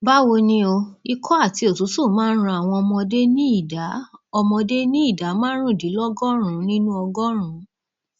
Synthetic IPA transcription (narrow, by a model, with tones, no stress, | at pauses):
ba˦wo˧nĩ˧o˧i˧kʰɔ˦a˦˨ti˧o˨tu˨˦tu˦˨mãː˨˦n̩˦ɾ̃ã˧a˨w̃ɔ̃˧ɔ˧mɔ̃˧de˦nĩ˦i˦˨da˨˦ɔ˧mɔ̃˧de˦nĩ˦i˦˨da˨˦mãː˦ɾ̃ũ˦˨di˨˦lɔ˦ɡɔ˦ɾ̃ũ˨˦nĩ˦nũ˦ɔ˧ɡɔ˦ɾ̃ũ˨˦